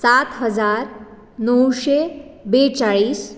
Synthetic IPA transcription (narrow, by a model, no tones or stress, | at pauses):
sat̪ɦəd͡zaɾ | nəwɕebet͡saɭiːs